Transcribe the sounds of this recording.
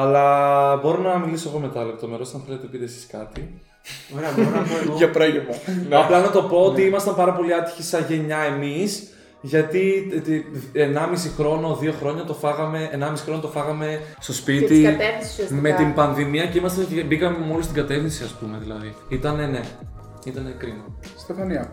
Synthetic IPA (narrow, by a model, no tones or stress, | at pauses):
ɐlɐbo̞ɾonɐmilisoeɣo̞me̞t̪ɐle̞p̚t̪o̞me̞ɾo̞sɐnθe̞let̪epit̪esi̥skɐt̪i | oɾeɐbonɐkoʝɐpɾɐʝemɐnɐplɐnɐt̪o̞po̞ot̪iimɐst̪ɐmpɐɾɐpo̞liɐt̪i̥çisɐʝe̞ɲɐemis | ʝɐt̪i | enɐmisixɾo̞no̞ðio̞xɾo̞ɲɐt̪o̞fɐɣɐme̞ːnɐmisi̥xɾo̞not̪ofɐɣɐme̞st̪o̞spit̪iɐt̪efssme̞t̪imbɐnðimiɐceimɐst̪ɐncebikɐmemo̞list̪iɡɐt̪e̞fθinsiɐspume̞ðilɐ̰ðiit̪ɐne̞ne̞ | it̪ɐnekɾinost̪efɐniɐ